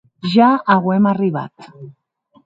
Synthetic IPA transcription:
ʒaaɣwemariβ̞a̰t̪

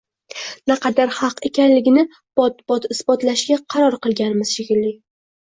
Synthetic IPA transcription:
naqʰɑd̪aɾhɑqe̞kʲʰanlɪɡʲɪnɪ | b̥ɒt̪̚b̥ɒt̪ɪsbɒt̪laʃɡʲaqʰɑɾɒɾqɨlˠɡʲanɪmɪz̥ʃɪɡʲɪlːɪ

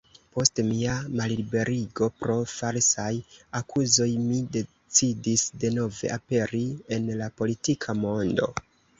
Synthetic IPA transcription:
po̞stmiamallibe̞ɾʔiɡo̞pɾo̞falsajakʰuzo̞jmide̞ | t͡sidisde̞no̞ve̞̰ʔape̞ɾie̞nlapo̞litikʰamo̞ndo̞̰

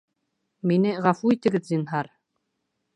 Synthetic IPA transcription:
minɘʁɑfuit̪ɘ̆ɡɘðzʲinɦɑɾ

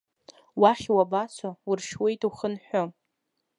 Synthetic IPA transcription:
waχʲwabat͡sʰowurʃwejtʼuχənħʷᶣo

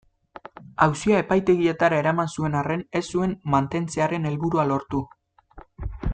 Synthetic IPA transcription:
awsiae̞pajt̪e̞ɣie̞t̪aɾae̞ɾamansue̞nare̞ne̞sːue̞mmant̪e̞nt͡se̞aɾe̞ne̞lβuɾualo̞ɾt̪u

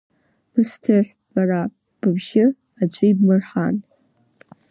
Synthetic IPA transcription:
b̥ɨstʰɨħʷ | b̥ara | b̥ɨbʒɪ | ad͡ʑʷʼiibmɨrħa̰n

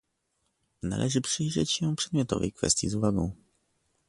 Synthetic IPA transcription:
na̰lʔɛʐɘpʂɘjʐɛt͡ɕɕɛpʂɛd̪̚mʲjɔt̪ɔ̰vɛ̰jkfɛ̰st̪ʲjizuvaɡɔ̃w̃

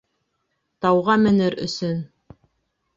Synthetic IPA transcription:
t̪ɑwʁɑmɘ̆nɘɾɵ̰̆sɵn

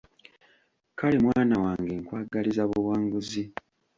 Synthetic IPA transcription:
kalimwaːnawaːŋɡeːŋkwaːɡalizaβuwaːŋɡuzi

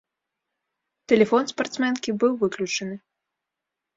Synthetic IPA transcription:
t̪ɛlʲɛfɔnspart̪smʲɛnkʲibɨwvɨklʲut͡ʂɐnɨ

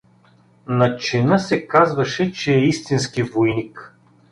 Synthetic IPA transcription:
nɐt͡ʃɛnəsɛkazvɐʃɛt͡ʃɛːist̪inskivojnik

